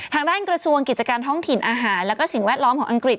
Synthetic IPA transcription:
aː˧ŋdaː˥˩nkɾa˧su˧əŋki˨˩t̪̚t͡ɕa˧kaː˧nt̪ʰɔ˥˩ŋt̪ʰi˨˩nʔaː˧ɦaː˩˦nlɛː˦˥wkɔː˥˩si˨˩ŋwɛː˥˩t̪̚lɔ˦˥mkʰɔː˩˦ŋʔa˧ŋkɾi˨˩t̪̚

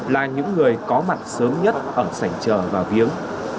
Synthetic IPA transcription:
laː˨˩ɲɨ̰˧˥ŋːɨ˨˩əjkɔ˨˦ma˨˩t̚səː˨˦mɲə˦˥t̚ʔəː˧˩sa˧˩jŋ̟t͡ɕəː˧˩vaː˨˩wvi˨˦əŋ

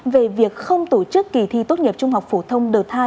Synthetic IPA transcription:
ve˨˩vi˨˩ək̚xə˧wŋ͡mt̪o˧t͡ɕɨ˦˥kːi˧˩t̪ʰi˧t̪o˦˥t̚ɲi˨˩p̚t͡ɕʊ˧ŋ͡mɦa˨˩wk͡p̚fo˧˩t̪ʰə˧wŋ͡mɗɨ˨˩ət̚t̪ʰaː˧

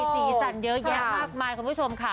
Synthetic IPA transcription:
siː˨˩sa˨˩njɤ˦˥jɛ˦˥maː˥˩k̚maː˧jkʰu˧nʰu˥˩t͡ɕʰo˧mkʰa˦˥˩

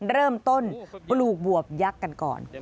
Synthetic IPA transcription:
ɾɤː˥˩mt̪o˥˩npluː˨˩k̚bu˨˩əp̚ja˦˥kːa˧nkɔ̰ː˨˩n

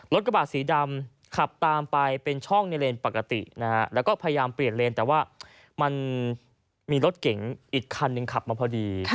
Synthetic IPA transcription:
lo˦t̪̚ɾa˧baː˨˩siː˩˦da˧m | kʰa˨˩p̚t̪aː˧mpa˧jpe˧nt͡ɕʰɔ˥˩ŋna˧leː˧npa˨˩kːa˧t̪ḭ˨˩na˦˥kʰa˦˥lɛː˦˥wkɔː˥˩pʰa˧ja˧jaː˧mpli˨˩ənleː˧nt̪ɛː˨˩waː˥˩ | ma˧n | miː˧lo˦˥t̪̚ke˩˦ŋʔiː˨˩kʰːa˧nːɯ˨˧ŋkʰa˨˩p̚maː˧pʰɔː˧diː˧

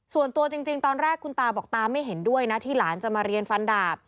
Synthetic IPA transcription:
su˨˩ənt̪u˧ɐt͡ɕi˧ŋt͡ɕi˧ŋt̪ɔː˧nɾɛː˥˩kʰːu˧nt̪aː˧bɔː˨˩k̚t̪aː˧ma˥˩jɦe˩˦ndu˥˩əjna˦˥t̪ʰiː˥˩laː˩˦nt͡ɕa˨˩maː˧ɾi˧ənfa˧ndaː˨˩p̚

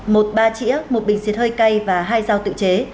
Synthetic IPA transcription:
mo˨˩t̚ɓaː˧t͡ɕḭ˧˥əmo˨˩t̚ɓï˨˩ŋ̟si˨˦˥ət̚həː˧jka˧jvaː˨˩ɦaː˧jzaː˧wt̪ɨ̰˧˨t͡ɕe˨˦

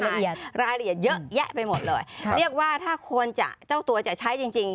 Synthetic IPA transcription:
i˧˩ɾaː˧jli˧˩ət̚zə˦˥zɛ˦˥ʔpa˧jmo˨˩t̪̚loː˨˩jli˦˥˩ək̚waː˧˩t̪ʰaː˥˩xʰo˧ənt͡ɕa̰˧˩t͡ɕaː˧˥˩wt̪u˧ət͡ɕa̰˧˩t͡ɕʰa˨˦˥jt͡ɕi˧ŋt͡ɕi˧ŋ

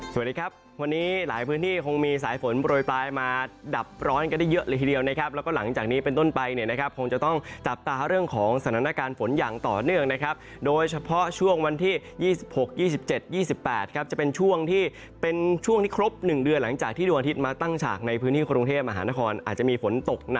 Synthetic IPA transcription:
su˨˩ndiː˧kʰa˦˥p̚ | wa˧nːiː˦˥laː˩˦jpʰɯː˦˥nt̪ʰiː˥˩kʰo˧ŋmiː˧saː˩˦jfo˩˦nbɾoː˨˩jplaː˧jmaː˧da˨˩p̚ɾɔː˦˥nka˧nda˥˩jːə˦˥ʔləː˧t̪ʰiː˧di˧əwna˦˥kʰa˦˥p̚lːwkɔː˥˩la˩˦ŋt͡ɕaː˨˩k̚niː˦˥pe˧nt̪o˥˩npa˧jni˧˩na˦˥kʰa˦˥p̚kʰo˧ŋt͡ɕa˨˩t̪ɔ˥˩ŋt͡ɕa˨˩p̚t̪aː˧ɾɯ˥˩əŋkʰɔː˩˦ŋsa˧˩a˧˩naː˥˩kaː˧nfo˩˦njaː˨˩ŋt̪ɔː˨˩nɯ˥˩əŋna˦˥kʰa˦˥p̚ | doː˧jt͡ɕʰa˧pʰɔ˦˥t͡ɕʰu˥˩əŋwa˧nt̪ʰiː˥˩ | jiː˥˩si˨p̚ho˨˩k̚jiː˥˩si˨˩p̚t͡ɕe˨˩t̪̚jiː˥˩si˨˩pːɛː˨˩t̪̚kʰa˦˥p̚t͡ɕa˨˩pe˧nt͡ɕʰu˥˩əŋt̪ʰiː˥˩ | pe˧nt͡ɕʰu˥˩əŋt̪ʰiː˥˩kʰɾo˦˥p̚nɯ˨˩ŋdɯ˧ənla˩˦ŋt͡ɕaː˨˩k̚t̪ʰiː˥˩uː˧ʔa˧t̪i˦˥t̪̚maː˧t̪a˥˩ŋt͡ɕʰa̰ː˨˩k̚na˧jpʰɯ˦˥nʰiː˥˩kɾu˧ŋt̪ʰeː˥˩p̚ma˧ɦaː˩˦naː˦˥kʰɔː˧nʔaː˨˩t̪̚t͡ɕa˨˩miː˧fo˩˦nt̪o˨˩k̚na̰˨˩k̚

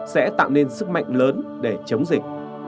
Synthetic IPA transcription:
sɛ̰˧˥t̪a̰ː˧˨wne˧nsɨ˦˥k̚ma̰˧˨jŋ̟ləː˨˦nɗe˧˩t͡ɕə˨˦wŋ͡mzï˨˩k̚

